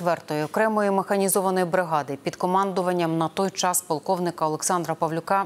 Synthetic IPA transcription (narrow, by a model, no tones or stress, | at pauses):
ʋɛrt̪ɔjiɔkɾɛmɔjimexɐnʲizɔʋɐnɔjibɾɪɦɑd̪ɪpʲid̪kɔmɑnd̪ʊʋɐnʲːɐmnɐt̪ɔjt͡ʃɑspɔlˠkɔwnɪkɐɔlˠeksɑnd̪ɾɐpɐʋlʲʊkɑ